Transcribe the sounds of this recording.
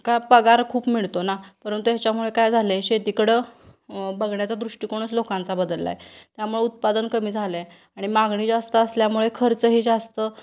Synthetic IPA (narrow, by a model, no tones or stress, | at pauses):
kapəɡaɾkʰuːpmiɭt̪onapəɾənt̪ujat͡ɕamuɭekajd͡zʱaleɕet̪ikəɽə | bəɡɳjat͡sad̪ɾuʂʈikoɽ̃əslokãnt͡sabəd̪əlːa̰jt̪jamuɭeut̪̚pad̪ənkəmiːd͡zʱale | aɽ̃imaɡɳiːd͡zast̪əːsljamuɭekʰəɾt͡səɦiːd͡zast̪ə